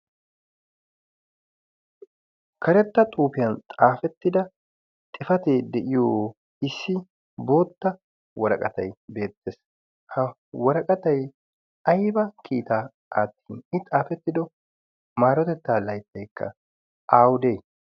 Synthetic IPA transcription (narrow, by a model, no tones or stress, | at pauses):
kʰɐɾɛt̪ːɐt̪ʼuːpɪjɐnt̪ʼaːfɛt̪ːɪd̪ɐ | t̪ʼɪfɐt̪eːd̪ɛʔɪjoː | ɪsːɪ | bo̞ːt̪ːɐ | wɔɾɐkʼɐt̪ɐ̰jbe̞ːt̪ːeːs | hɐ | wɔɾɐkʼɐt̪ɐj | ɐjbɐkʰiːt̪aː | aːt̪ːi̥ːnɪt̪ʼaːfɛt̪ːɪd̪ɔ | maːɾɔt̪ɛt̪ːaːlɐjt̪ːɐjkːɐ̰ | aːwʊd̪ej